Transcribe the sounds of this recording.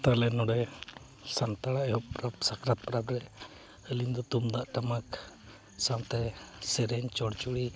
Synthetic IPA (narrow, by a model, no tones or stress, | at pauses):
t̪alɛnɔɽɛ | sant̪aɽaʔɛɦɔʔpɾapsakɾat̪̚pɾabɾɛ | əliɲd̪ɔt̪umd̪aʔʈamak | sawt̪ɛsɛɾɛɲt͡ʃɔɽt͡ʃuɽi